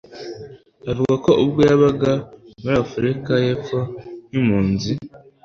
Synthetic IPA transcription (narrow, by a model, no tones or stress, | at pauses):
avuɡako̞ʔubɡeaβaɡamuɾafuɾikaje̞fonimuːnzi